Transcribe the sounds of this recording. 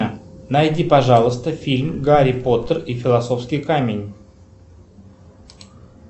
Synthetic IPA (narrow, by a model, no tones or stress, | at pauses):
nɐjdʲipɐʐɑlˠəst̪əfʲilʲmɡaɾʲɪpo̞t̪ərifʲɪlˠɐso̞fskʲiɪjkamʲɪnʲ